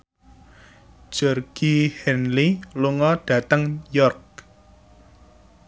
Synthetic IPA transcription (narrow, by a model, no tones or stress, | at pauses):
ʒ̥ɔrɡ̥ihɛnliluŋɔɖ̥ä̤t̪əŋjɔrk̚